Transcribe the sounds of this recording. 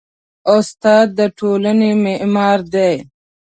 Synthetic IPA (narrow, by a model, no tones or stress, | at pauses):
ost̪ɑːd̪̚ːəʈʰoːlənemeʔmɑːɾd̪ej